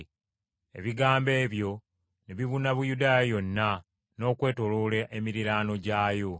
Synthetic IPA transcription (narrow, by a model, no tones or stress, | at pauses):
e̞̰βiɡaːmbe̞ːβjo̞ | neβiβunaβujudaːjajo̞nːa | no̞ːkwe̞ːto̞loːleʔemiɾiɾaːno̞ɟaːjo̞